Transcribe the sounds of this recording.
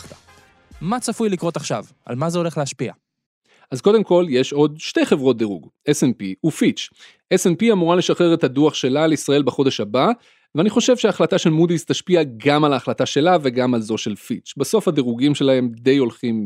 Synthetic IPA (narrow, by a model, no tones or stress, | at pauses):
ta | mat͡safujlikʁot̪aχʃa̰v | a̰lmazeo̞le̞χleaʃpia̰ | ʔazko̞d̪e̞mko̞lje̞ʃo̞d̪ʃte̞jχe̞vʁo̞t̚d̪eʁuɡesenpiufit͡ʃ | esenpiamuʁale̞ʃaχeʁet̪aduaχʃe̞laleisʁae̞lbeχo̞de̞ʃaba | veaniχo̞ʃe̞v̥ʃeaχlataʃe̞lmud̪izt̪aʃpiaɡamalaːχlataʃe̞lave̞ɡamalzo̞ʃe̞lfit͡ʃbeso̞fhadeʁuɡimʃe̞laɦe̞md̪e̞jo̞lχim